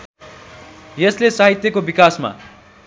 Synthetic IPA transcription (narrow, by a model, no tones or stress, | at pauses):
jʌslesaɦit̪jʌkobikasma̰